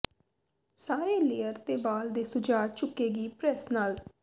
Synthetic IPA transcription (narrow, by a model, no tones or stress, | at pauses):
saːɾeːleːəɾt̪eːbaːld̪eːsʊd͡ʒaːt͡ʃʊkːeːɡiːpɾɛsnaːl